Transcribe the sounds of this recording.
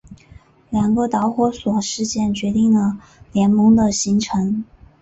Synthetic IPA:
ljɑ˨˩ŋɡə˧t̪ɑ˧˥ʊxwɔ˧˥swɔ˨˩ʂɻ̩˥˧t͡ɕjɛ˥˩nt͡ɕɥɛ˧˥t̪i˥˩ŋd̪ə˩ | ljɛ˧˥nmɤ˧˥ŋd̪ə˨ɕi˧˥ŋʈ͡ʂʰɤ˧˥ŋ

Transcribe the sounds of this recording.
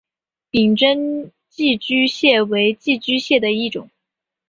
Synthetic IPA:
pi˨˩ŋʈ͡ʂə˥n | t͡ɕi˥˩t͡ɕy˥ɕjɛ˥˩we˧˥ɪt͡ɕi˥˩t͡ɕy˥ɕjɛ˥˩d̪ə˩i˥˩ʈ͡ʂʊ̰˨˩˦ŋ

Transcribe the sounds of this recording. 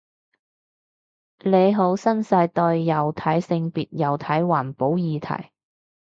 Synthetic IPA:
le˨˧jɦo˨˥wsɐ˥nsɐ˧jt̪ɔː˧jjɐ˨˩wt̪ʰɐ˨˥jsɪ˧ŋpiː˨t̚jɐ˨˩wt̪ʰɐ˨˥jwaː˨˩npo˨˥wjiː˨˧t̪ʰɐ̰˨˩j

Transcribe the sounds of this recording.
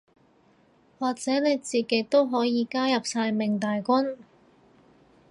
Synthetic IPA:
waː˨k̚t͡sɛː˨˥ne˨˧jt͡siː˨ke˨˥jt̪o˥wɦɔː˨˥jiː˨˧kaː˥jɐ˨p̚saː˧jmɪ˨˩ŋt̪aː˨jkʷʊ˥n

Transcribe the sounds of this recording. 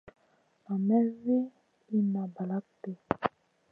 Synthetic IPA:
a˨mɛ˦vi˦ | i˦ma˨ba˨la˦k̚tɛ˦˨

